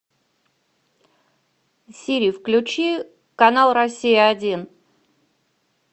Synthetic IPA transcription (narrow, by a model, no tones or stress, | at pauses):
sʲiɾʲiːfklʲʉt͡ɕi | kɐnalˠɾɐsʲːijəɐdʲin